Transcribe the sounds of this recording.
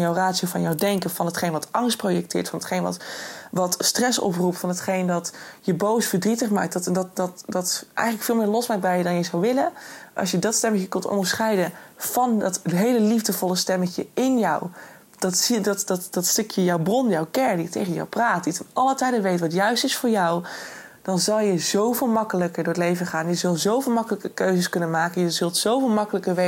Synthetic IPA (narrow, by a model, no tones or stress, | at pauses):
njɔwraːtsiofɑnjɔwdɛŋkəvɑnɦətχejnʋɑtɑŋst̚projɛk̚tɪːɹtfɑnətχejnʋɑ̰tʋɑtstrɛsɔ̰p̬rupfɑnɦətχejndɑtjəbowsfəɹdritəχma̰ːk̚tdtɛndɑtdɑtdɑtɛ̰jxənləkfɪːlˠmɪːɹlɔsmaːk̚bɛjədɑnjəzɔwʋɪləʔɑ̰sjədɑtstɛməχjəkɵntɔ̰ndəɹsχɛjdənv̥ɑndɑtɦejləlivdəvɔlˠəstɛməxjəɪnjɔw | d̥ɑtsidɑtdɑtd̥ɑtstʏkʰjəjɔwbrɔnjɔwkɛɹditejχənjɔ̰wpraːtditənɑlˠətɛjdəʋejtəʋɑtjœɥstɪsfʊːɹjɔw | d̥ɑnzɑlˠjəzowvɪːlˠmɑkələkəɹdʊːɹətlejvənχaːnjəzɵlˠzowvɪːlˠmɑkələkəkøɥzəskɵnənmaːkənjəzɵlˠtsowvɪːlˠmɑkələkəɹʋe